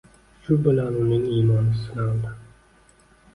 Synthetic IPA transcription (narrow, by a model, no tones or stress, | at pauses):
ʃʊbɪlaɾunɪŋiːmɒnɪsɪnɑlˠd̪ɪ